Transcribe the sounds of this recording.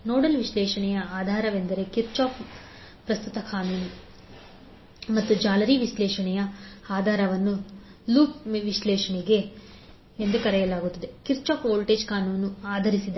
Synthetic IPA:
noːɽɐlʋiʃlɛːʃɐɳɛjɐaːd̪ʱaːɾɐʋe̞nd̪ɐɾe̞kiɾt͡ʃaːp | pɾɐst̪ut̪ɐkʰaːnuːnu | mɐt̪ːud͡ʒaːlɐɾiʋislɛːʂɐɳɛjɐaːd̪ʱaːɾɐʋɐnːu | luːpʋiʃlɛːʃɐɳiɡe̞ | end̪ukɐɾɛjɐlaːɡut̪ːid̪e̞kiɾt͡ʃaːpoːlʈeːd͡ʒkaːnuːnuaːd̪ʱɐɾisid̪ɐ

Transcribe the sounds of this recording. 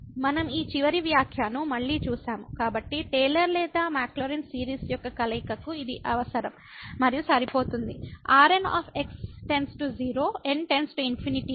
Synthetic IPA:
mɐnɐmiːt͡ʃiʋɐɾiʋjaːkʰjaːnumɐɭːiːt͡ʃuːsaːmukaːbɐʈːiʈeːlɐɾlɛːd̪aːmaːkloːɾinsiːɾiːsjɔkːɐkɐlɐikɐkuid̪iʔɐʋɐsɐɾɐmː | ɐɾijusɐɾipo̞ːt̪und̪iaːɾena̰ːpʰeksʈe̞nsʈud͡ʒiːɾoːenʈe̞nsʈuinpʰiniʈi

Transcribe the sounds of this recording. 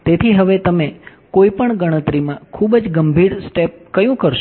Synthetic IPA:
t̪et̪ʰiɦəʋet̪əme | koipəɳɡəɽ̃ət̪ɾimãkʰubəd͡ʒɡəmbʱiɽsʈep̚kəjũkəɾʃ

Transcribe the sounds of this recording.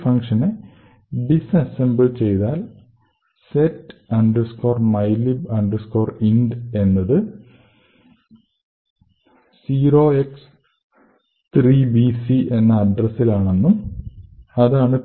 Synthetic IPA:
fɐŋʂɐne | bisɐsembɨlt͡ɕe̞jt̪aːl | setːɐɳɖɐrsko̞ːrmɐjlibɐɳɖɐrsko̞ːrinɖe̞nːɐðɨ | siːɾo̞ːeks | t̪riːbisiʔe̞nːɐɐɖrɐsːilaːɳe̞nːum | ɐðaːɳɨ

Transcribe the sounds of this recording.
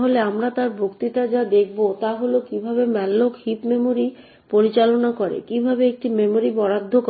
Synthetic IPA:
ɦoleamɾat̪aɾbʱokt̪iʈad͡ʑad̪ekʰbot̪aɦolokibʱabemɛlːokhipmemoɾi | poɾit͡ɕalonakoɾḛkibʱabeek̚ʈimemoɾibɔɽad̪ʱːok

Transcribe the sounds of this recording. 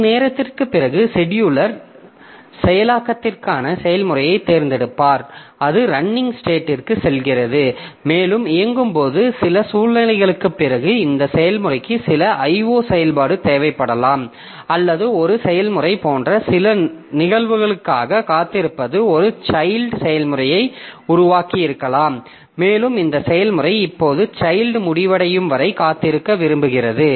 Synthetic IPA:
neːɾɐt̪ːɪrkɯpːɪrɐɣɯsɛɽɪjɯɭɐɾ | sɛjɐlaːkːɐt̪ːɪrkaːnɐsɛjɐlmɯrɐjɐɪt̪ːeːɾnd̪ɛɽɯpːaːɾɐðɯɾɐɳːɪŋɡsʈeːʈːɪrkːɯsɛlɣɪrɐðɯmeːlɯmɪjɐŋɡɯmpoːðɯsɪlɐsuːlːɐnɐɪɣɐɭɯkːɯpːɪrɐɣɯɪnd̪ɐsɛjɐlmɯrɐɪkːɯsɪlɐʔɐɪʋoːsɛjɐlpaːɽɯt̪eːʋɐɪpːɐɽɐlaːm | ɐlːɐðɯɔɾɯsɛjɐlmɯrɐɪpoːndrɐsɪlɐnɪɣɐɭʋɯɣɐɭɯkːaːɣɐkaːt̪ːɪɾɯpːɐðɯɔɾɯt͡ʃɐɪlɖsɛjɐlmɯrɐjɐɪʊɾʊʋaːkɪjɪɾɯkːɐlaːmː | eːlɯmɪnd̪ɐsɛjɐlmɯrɐɪɪpːoːðɯt͡ʃɐjlɖmʊɽɪʋɐɽɐjɯmʋɐɾɐɪkaːt̪ːɪɾɯkːɐʋɪɾɯmbɯɣɪrɐðɯ

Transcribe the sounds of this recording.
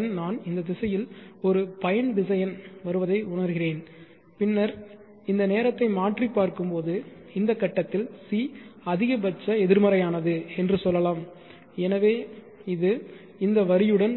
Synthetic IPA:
nnaːnɪnd̪ɐd̪ɪsɐjɪlɔɾɯpɐjɐnɖɪsɐjɐnʋɐɾɯʋɐðɐɪʊɳɐɾɣɪreːn | pɪnːɐɾ | ɪnd̪ɐneːɾɐt̪ːɐɪmaːʈripːaːɾkɯmpoːðɯ | ɪnd̪ɐkːɐʈːɐt̪ːɪlsiɐðɪɣɐbɐt͡ʃːɐɛðɪɾmɐɾɐjaːnɐðɯɛndrɯsɔlːɐlaːm | ɛnɐʋeː | ɪðɯ | ɪnd̪ɐʋɐɾɪjɯɽɐn

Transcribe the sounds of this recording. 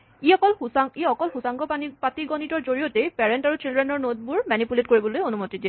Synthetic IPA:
iɔkɔlaŋiɔkɔlxusaŋɡɔapatiɡɔnitɔɹzoɹiotepɛɹɛntaɹut͡ʃildɹɛnɔɹnod̚buɹmanipulet̚koɹibɔlojonumotidi

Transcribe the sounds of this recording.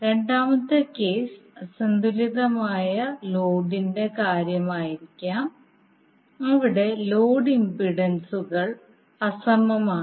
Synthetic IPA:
ɾe̞ɳɖaːmɐt̪ːɨke̞ːsɐsɐnd̪uliðɐmaːjɐloːɖinde̞kaːɾjɐmaːjiɾikʲːaːm | ɐʋiɽe̞loːɖimbiɽɐnsuɣɐɭ | ɐsɐmɐmaː

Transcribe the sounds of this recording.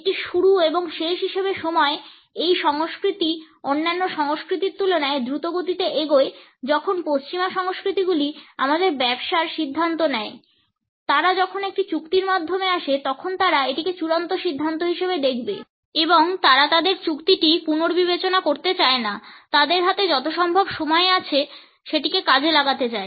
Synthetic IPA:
k̚ʈiʃuɾueboŋʃeʃɦiʃebeʃomɔe | ejʃɔŋoskɾit̪i | onːanːoʃɔŋoskɾit̪iɾt̪ulonaed̪ɾut̪oɡot̪it̪eʔeɡoed͡ʑɔkʰonpost͡ɕimaʃɔŋoskɾit̪iɡuliamad̪eɾbɛbʃaɾʃid̪ʱːant̪onɛe | t̪aɾad͡ʑɔkʰonek̚ʈit͡ɕukt̪iɾmad̪ʱːomeaʃet̪ɔkʰont̪aɾaeʈiket͡ɕuɾant̪oʃid̪ʱːant̪oɦiʃebed̪ek̚ʰbe | eboŋt̪aɾat̪ad̪eɾt͡ɕukt̪iʈipunoɾbiβet͡ɕonakoɾt̪et͡ɕaenat̪ad̪eɾɦat̪ed͡ʑɔt̪oʃɔmbʱobʃomɔeat͡ɕʰe | ʃeʈikekad͡ʑʱelaɡat̪et͡ɕae

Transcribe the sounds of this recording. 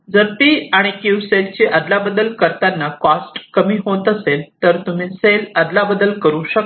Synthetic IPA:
d͡zəɾpiːaɽ̃ikuwselt͡ɕiʔəd̪labəd̪əlkəɾt̪anːakɔsʈkəmiːɦot̪əselt̪əɾt̪um̤iːseləd̪labəd̪əlkəɾuːɕək

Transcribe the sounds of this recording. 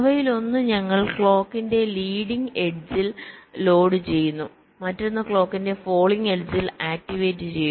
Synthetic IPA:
ʋɐjilo̞nːɨɲɐŋːɐɭkɭo̞ːkːinde̞liːɽiŋe̞ɖd͡ʑillo̞ːɽɨt͡ɕe̞jːunːu | mɐtːo̞nːɐkɭo̞ːkːinde̞fo̞ːɭiŋe̞ɖd͡ʑilaːk̚tiʋe̞ːtːɨt͡ɕeju

